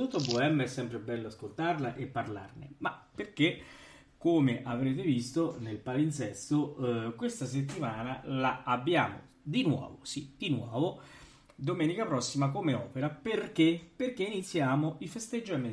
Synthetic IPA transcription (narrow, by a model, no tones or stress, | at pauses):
t̪ut̪ːoboɛmːɛsːɛmpɾebɛlːoaskolt̪arlaʔepːarla̰rnḛmapːerk̟e | kːomeʔavɾeːt̪evist̪onelpalint̪sɛst̪okwest̪as̬et̪ːimaːnalaːbːjaːmo̰ | d̪inwɔ̰ːvo̰sid̪̥inwɔːvo | d̪omɛːnikapɾɔsːimak̬omeɔ̰ːpeɾaperk̟eperk̟einit̪sːjaːmoifest̪ed͡ʒːoɛmːe